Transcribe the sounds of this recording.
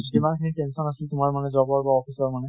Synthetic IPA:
kimankʰinitɛnsɔnasɪltʊmaɹmanɛzɔbɔɹbaɔpʰisɔɹmanɛ

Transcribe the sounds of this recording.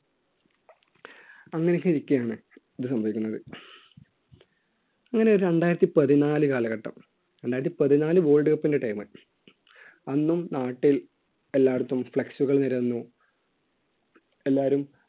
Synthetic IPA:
ɐŋːɐnekːɨiɾikʲːɐjaːɳɨ | ɐðɨsɐmbʱɐʋikʲːunːɐðɨ | ɐŋːɐne̞o̞ɾuɾe̞ɳɖaːjiɾɐt̪ːipɐðinaːlɨkaːlɐɣɐʈːɐ̰m | ɾeɳɖaːjiɾt̪ːipɐðinaːlɨbo̞ːlɖɨɣɐpːinde̞ʈɐjmɨ̰ | ɐnːumnaːʈːil | e̞lːaːɽɐt̪ːumfɭeksuɣɐɭniɾɐnːu | e̞lːaːɾum

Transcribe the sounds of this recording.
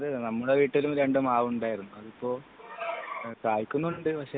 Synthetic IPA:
ɐðɨnɐmːuɽeʋiːʈːilumɾe̞ɳɖumaːʋuɳɖaːjiɾunːuɐðipːo̞ːɭ | kaːjikʲːunːuɳɖɨpɐkʂe

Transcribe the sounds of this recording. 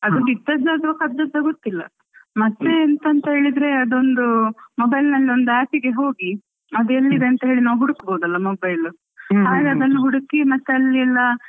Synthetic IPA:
ɐd̪onit̪ːɐd͡ʒaːd̪ɐɐkɐd̪ɐd͡ʒ̪ɐɡot̪ːilːɐ̰ | mɐt̪ːe̞ːnt̪ɐnt̪ɐɦe̞ːɭid̪ɾe̞ɐd̪o̞nd̪umobɐjlnɐlːio̞nd̪uæːpiɡe̞ɦo̞ːɡi | ɐd̪uelːid̪e̞ɐnt̪ɐɦe̞ːɭinaːʋɦuɽukboːd̪ɐlːɐmobɐjlu | haːɡeɐd̪ɐnːuɦuɽukimɐt̪ːeɐlːiɐlːɐ

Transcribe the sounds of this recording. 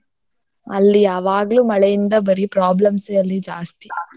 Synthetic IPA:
ɐ̰lːijaːʋaːɡɐɭumɐɭɛjind̪ɐbɐɾipɾaːblɐmsɐlːid͡ʒaːst̪i̥

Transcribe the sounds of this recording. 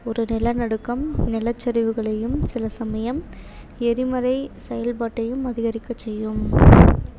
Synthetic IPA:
ɔɾɯnɪlɐnɐɽɯkːɐmnɪlɐt͡ʃːɐɾɪʋɯɣɐɭɐjɯmsɪlɐsɐmɐjɐm | ɛɾɪmɐɾɐɪsɛjɐlpaːʈːɐjɯmɐðɪɣɐɾɪkːɐt͡ʃːɛjːɯm

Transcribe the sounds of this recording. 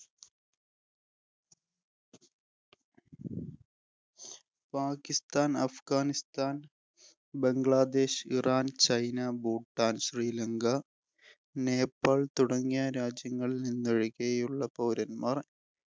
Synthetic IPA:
paːkist̪aːnɐfɡaːnist̪aːn | be̞ŋɡɭaːd̪e̞ːɕiraːnt͡ɕɐjnɐbuːʈːaːnɕriːlɐŋɡɐ | ne̞ːpːaːɭt̪uɽɐŋːijaɾaːd͡ʑjɐŋːɐɭilninːeɻikejuɭːɐpɐwɾɐnmaːr

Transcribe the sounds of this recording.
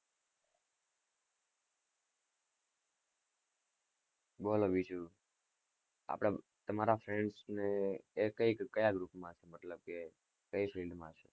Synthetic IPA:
boloʋit͡ʃʰu | a̰pɽ̃a | t̪əmaɾafɾeɳɖsneːkəikːəjaɡɾupmãʃemət̪ləb̚ke | kəjfʰilɖmãʃʰe

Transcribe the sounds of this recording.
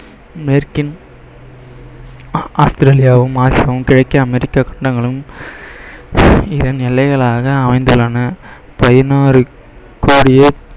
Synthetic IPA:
mɛɾkɪn | aːst̪ɪɾeːlɪjaːʋɯmaːsɪjaːʋɯmkɪɻɐɪkːɐːmɛɾɪkːakɐ̥ɳɖɐŋɡɐɭɯm | ɪðɐnnɛlːɐɪɣɐɭaːɣɐːmɐɪnd̪ɯlɐnɐ | pɐðɪnaːɾɯ | koːɽɪjɐ

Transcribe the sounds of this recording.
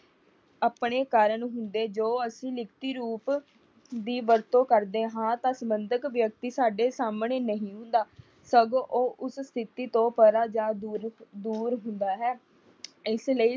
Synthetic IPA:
aːpɳeːkaːɾəɳɦʊnd̪eːd͡ʒoːəsĩːlɪkt̪iːɾuːp | d̪iːʋəɾt̪õːkəɾd̪eːɦãːt̪ãːsəmbənd̪əkʋjək̚t̪iːsaːɖeːsaːmɳeːnəɦĩːɦʊ̃nd̪aː | səɡoʔoːʔʊsst̪ʰɪt̪iːt̪õːpəɾaːd͡ʒaːd̪uːd̪uːɾɦʊnd̪aːɦɛː | ɪsləiː

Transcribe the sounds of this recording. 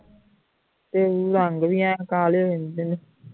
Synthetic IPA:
t̪euːɾaŋɡʋiɛ̃ːkaːloʋend̪ene

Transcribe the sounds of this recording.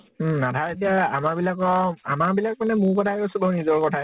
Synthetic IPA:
natʰaɹet̬ijaa̰maɹbilakɔa̰maɹbilak̚manɛmʊɹkɔtʰakɔsubaɹnizɔɹkɔtʰa

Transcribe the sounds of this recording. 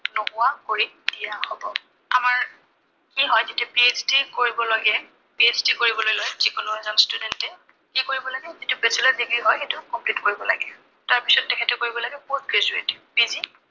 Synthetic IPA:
nopʊwakoɹi | dijahɔbɔ | amaɹ | kiɦɔjzitɛpieztikoɹibɔlɔɡɛ | piezdikoɹibɔlojlɔjzikɔnʊɦɔjzanstudɛntɛ | kikoɹibɔlaɡɛzitʊbesilɔdiɡɹiɦɔjxetʊkɔmplitkoɹibɔla̰ɡɛ | taɹpisɔtːɛkʰɛtɛkoɹibɔlaɡɛpot̚ɡɹezuɹetb̥izi

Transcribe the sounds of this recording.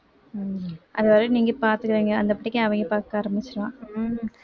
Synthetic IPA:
ʔɐðɯʋɐɾɯniːŋɡɐpaːɾt̪ɯkɪɾiːŋɡɐɐnd̪ɐpɐʈːɪkːẽɐʋɐŋɡɐpaːɾkaːɾɐmɪt͡ʃːɪɾɐlãː

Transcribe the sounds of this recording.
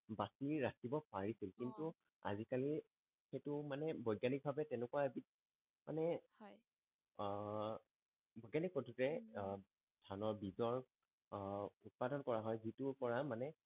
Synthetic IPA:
basiɹatibɔpaɹisilkintu | a̰zikali | xejtʊmanɛbɔjɡanik̚bʱabɛtɛnɛkuwaebit̚ | ma̰nɛ | bɔjɡanik̚potʰutɛ | dʱanɔɹbizɔɹ | ut̚padɔnkɔɹaɦɔjzitʊɹpɔɹamanɛ

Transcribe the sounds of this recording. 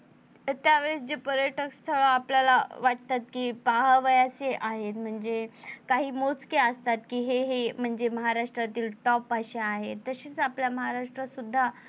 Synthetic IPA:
t̪jaʋeɭesd͡ʑepəɾjəʈəkst̪ʰəɭaapljalaʋaʈ̚t̪at̪̚kiːpaɦaʋəjaseʔaɦet̪m̤əɳd͡zekaɦiːmot͡skeəst̪at̪kiːɦeɦem̤əɳd͡zeməɦaɾaʂʈɾat̪iːlʈɔpaɕeaɦet̪ːəɕiːt͡sapljaməɦaɾaʂʈɾasud̪ʱːa

